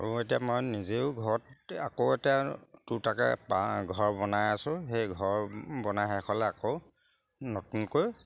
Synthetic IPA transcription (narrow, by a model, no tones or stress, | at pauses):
uetijamɔjnizeʊɡʱɔɹɔta̰kowetijatutaka̰paɡʱɔɹbɔnajasʊ̃xejɡʱɔɹbɔnajɦɛkʰɔlɛakoʊ | notunkoj